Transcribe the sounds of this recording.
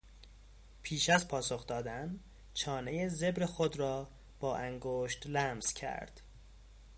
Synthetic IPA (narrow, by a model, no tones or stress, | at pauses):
pʰiːʃæzpʰɒːso̞xd̪ɒːd̪æn | t͡ʃʰɒːnejeze̞bɾexod̪ɾɒː | b̥ɒːʔæŋɡoʃt̪læmz̥cʰæ̰ɾd̪̥